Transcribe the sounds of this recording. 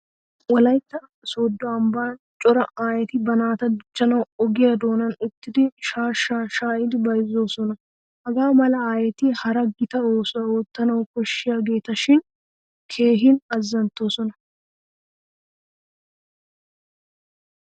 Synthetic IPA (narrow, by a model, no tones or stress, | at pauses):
wɐlɐjt̪ːɐ | sɔːd̪ːɔɐmbaːn | t͡ʃʼɔɾɐaːjɛt̪ɪbɐnaːt̪ɐd̪ʊt͡ʃːɐnɐwɔɡɪjɐd̪o̞ːnɐnʊt̪ːɪd̪ɪʃaːʃaːʃaːʔɪd̪ɪbɐjzo̞ːsɔnɐ | hɐɡaːmɐlɐaːjɛt̪ɪhɐɾɐɡɪt̪ɐoːsɔnɐoːt̪ːɐnɐwkɔʃːɪjaːɡe̞ːt̪ɐʃɪn | kʰe̞ːɦɪnɐzːɐnt̪ːo̞ːsɔnɐ